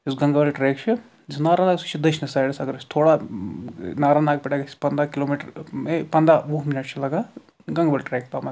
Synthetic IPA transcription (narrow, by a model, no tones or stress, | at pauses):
isɡɐŋɡɐʋɐlʈɾeːkt͡ʃʰi | d͡ʒisnaːɾaːnaːksut͡ʃʰid̪ɐʃnɐsaːjɽɐsɐɡɐɾsʲt̪ʰoːɽaː | naːɾaːnd̪aːk̚piʈaɡɐsi̥pɐnd̪aːkiloːmiːʈɾmepɐnd̪aːʋuːɦminɐʈ̚t͡ʃʰilɐɡaː | ɡɐŋɡʋɐlʈɾeːk̚t̪aːmɐ